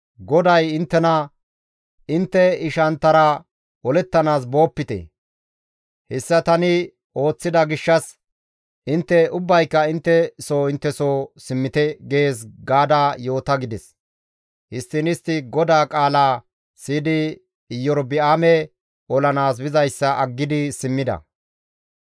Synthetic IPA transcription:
ɡɔd̪ɐjɪnt̪ːɛnɐ | ɪnt̪ːɛɪʃɐnt̪ːɐɾɐ | ɔlɛt̪ːɐnaːs̬bo̞ːpːɪt̪ɛ̰ | hɛsːɐt̪ɐnɪ | o̞ːt͡sːɪd̪ɐɡɪʃːɐs | ʔɪnt̪ːɛʊbːɐjkːɐɪnt̪ːɛsoːɪnt̪ːɛsoːsɪmːɪt̪ɛɡeːs̬ɡaːd̪aːjo̞ːt̪ɐɡɪd̪ɛs | hɪst̪ːɪnɪst̪ːɪɡɔd̪aːkʼaːlaː | siːd̪ɪː | jːɔɾbɪaːmɛ | ɔlɐnaːs̬bɪzɐjsːɐʔɐɡːɪd̪ɪsɪmːɪd̪ɐ̰

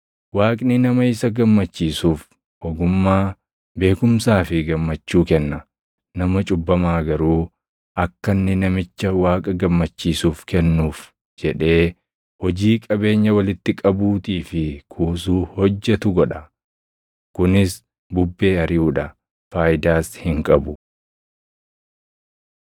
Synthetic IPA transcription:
waːkʼnɪnɐmɐɪsɐɡɐmːɐt͡ʃːiːsuːf | ɔɡʊmːaː | be̞ːkʊmsaːfɪɡɐmːɐt͡ʃːuːkɛnːɐ | nɐmɐt͡ʃʼʊbːɐmaːɡɐɾuː | ʔɐkːɐnːɪnɐmɪt͡ʃːɐwaːkʼɐɡɐmːɐt͡ʃːiːsuːfkɛnːuːf | d͡ʒɛᶑe̞ː | hɔd͡ʒiːkʼɐbe̞ːɲːɐwɐlɪt̪ːɪkʼɐbuːt̪iːfɪkʰuːsuːhɔd͡ʒːɛt̪ʊɡɔᶑɐ | kʊnɪs | bʊbːe̞ːɐɾɪuːᶑɐ | faːjɪd̪aːshɪŋkʼɐbʊ

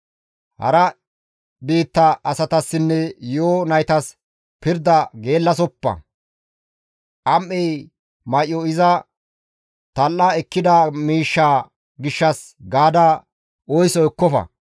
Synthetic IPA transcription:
hɐ̰ɾɐ | biːt̪ːɐʔɐsɐt̪ɐsːɪnːɛjoːnɐjt̪ɐs | pɪɾd̪ɐɡe̞ːlːɐsɔpːɐ̰ | ʔɐmʔɛj | mɐjɔɪzɐ | t̪ɐlːɐɛkːɪd̪ɐmiːʃːaː | ɡɪʃːɐs | ɡaːd̪ɐ | ɔjsɔɛkːɔfɐ̰

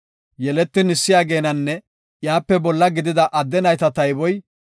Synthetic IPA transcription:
jɛlɛt̪ːɪnɪsːɪjaːɡe̞ːnɐnːɛ | jaːpːɛbɔlːɐɡɪd̪ɪd̪ɐʔɐd̪ːɛnɐjt̪ɐt̪ɐjbɔj

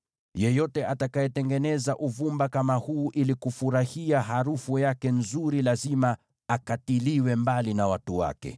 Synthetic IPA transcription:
jɛjɔtɛʔatakajɛtɛŋɡɛnɛzaʔuvumbakamahuːʔilikufuɾahiaɦaɾufujakɛnzuɾilazima | akatiliwɛmbalinawatuwa̰kɛ̰

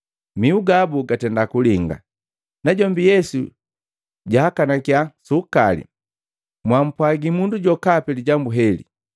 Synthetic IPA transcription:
miuɡabuɡatɛndakuliŋɡa̰ | naɟɔmbijɛsṵ | ɟahakanakjasukalḭ | mwam̩pwaɡimunduɟɔkapɛliɟambuɦɛlḭ

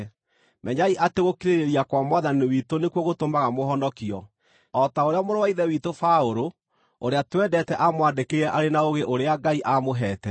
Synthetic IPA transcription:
mɛɲaiʔateɣokiɾeɾeɾijakwamwaðaniwitonekwoɣotomaɣamoɦɔnɔkiɔ | ɔtaoɾeamoɾowaiðɛwitofaoɾo | oɾeatwɛdɛtɛʔamwadekeɾɛʔaɾenaoɣeʔoɾeaɡaiʔamoɦɛtɛ

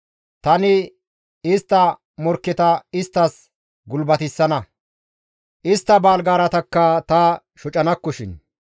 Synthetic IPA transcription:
t̪ɐnɪ | ɪst̪ːɐ | mɔɾkːɪt̪ɐɪst̪ːɐs | ɡʊlbɐt̪ɪsːɐnɐ | ʔɪst̪ːɐbaːlɡaːɾɐt̪ɐkːɐt̪ɐ | ʃɔt͡ʃʼɐnɐkːɔʃɪn

